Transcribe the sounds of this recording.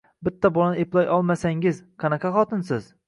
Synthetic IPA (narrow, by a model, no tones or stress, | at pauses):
bɪt̪ʰːabolˠanɪeplˠɒjʔɒlˠmasaŋʲɪzqʰɑnɑqʰɑχɒt̪ʰɪnsɪz̥